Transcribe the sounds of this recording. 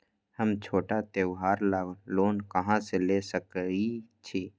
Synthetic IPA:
həmt͡ʃʰoːʈat̪eʋɦaːɾlloːnkəɦãselesəkit͡ʃʰiː

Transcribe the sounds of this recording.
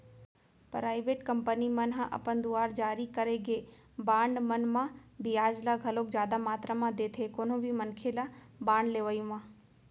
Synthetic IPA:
pɾaːɪʋeːʈkəmpənimənɦãʔɐ̰pənd̪uaːɾd͡ʒaːɾikəɾeɡe | baːɳɖmənmãbijaːd͡ʒlaɡʱɐloːk̚d͡ʒjaːd̪amaːt̪ɾəmãd̪eːt̪ʰekoːnõbʱimənkʰelabaːɳɖleːʋəjũʋãː

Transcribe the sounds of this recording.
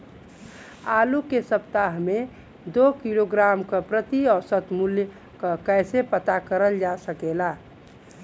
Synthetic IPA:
aːlukesəpt̪aɦmẽ | d̪okiloɡɾaːmkəpɾət̪iɔːɾsət̪mulj | kəkɛɪsepət̪akəɾəld͡ʒasəkela

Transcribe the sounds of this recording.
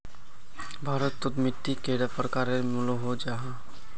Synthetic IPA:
bʱaːɾət̪ːot̪mɪʈːikeɽapɾəkaɾeɾmuloɦod͡ʒaɦã

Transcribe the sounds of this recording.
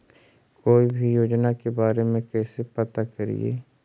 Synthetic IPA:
koːibʱijoːd͡ʒnakebaːɾemẽkɛːsepɐt̪akɐɾḭḛː

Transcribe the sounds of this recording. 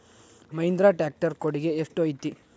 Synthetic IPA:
mɐjnd̪ɾaːʈaːk̚ʈɐɾkoɽiɡe̞ːʂʈɐjt̪i

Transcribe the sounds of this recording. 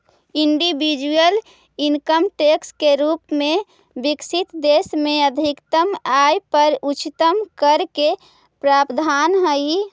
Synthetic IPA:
iɳɖibid͡ʒujəl | inkəmʈekskeɾupmẽ | biksit̪d̪esmeəd̪ʱikt̪əmajpəɾut͡ʃit̪əmkəɾke | pɾaːpd̪ʱanɦəi

